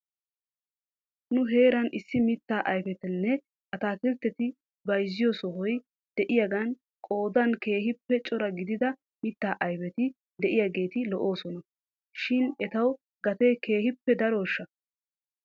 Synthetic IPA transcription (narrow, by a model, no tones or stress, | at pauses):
nʊɦe̞ːɾɐnʔɪsːɪmɪt̪ːaːʔɐjfɛt̪ɪnːɛ | ʔɐt̪aːkɪɾt̪ːɛt̪ɪ | bɐjzːɪjosɔɦɔj | d̪̥ɛʔɪjaɡɐn | kʼo̞ːd̪ɐnke̞ːɦɪpːɛt͡ʃʼɔɾɐɡɪd̪ɪd̪ɐ | mɪt̪ːaːʔɐjfɛt̪ɪ | d̪ɛʔɪjaːɡe̞ːt̪ɪlɔʔo̞ːsɔnɐ | ʃɪnɛt̪ɐw | ɡɐt̪eke̞ːhɪpːɛd̪ɐɾoːʃːɐ